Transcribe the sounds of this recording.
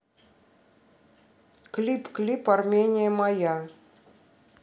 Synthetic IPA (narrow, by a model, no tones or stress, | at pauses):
klʲipklʲiparmʲenʲɪjəmɑja